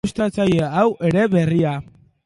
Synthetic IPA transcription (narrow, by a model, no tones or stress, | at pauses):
ust̪ɾat͡saje̞awʔe̞ɾe̞βe̞ria